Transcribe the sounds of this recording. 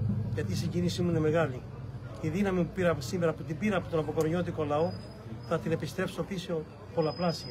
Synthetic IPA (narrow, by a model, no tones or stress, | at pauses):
ʝɐt̪iːsiɟinisimuine̞me̞ɣɐli | iðinɐmimupiɾɐsime̞ɾɐput̪̬ibiɾɐpot̪onɐpo̞koɾɲo̞t̪̬iko̞lɐo̞ | θɐt̪ine̞pist̪ɾe̞pso̞piso̞ | po̞lɐplɐsi